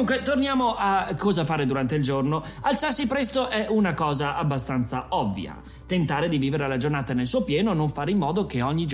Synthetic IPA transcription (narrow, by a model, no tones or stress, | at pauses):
uŋkwet̪ornjaːmoʔakʰːɔːzafaːɾed̪uɾant̪eild͡ʒornoalt̪sarsipɾɛst̪oʔɛunakɔːzaʔabːast̪ant̪saɔvːj̰a̰ | t̪ent̪aːɾed̪iviːveɾealad͡ʒornaːt̪anelsuːopjɛːnonoɱfaːɾeimːɔːd̪ok̟eɔɲːid͡ʒ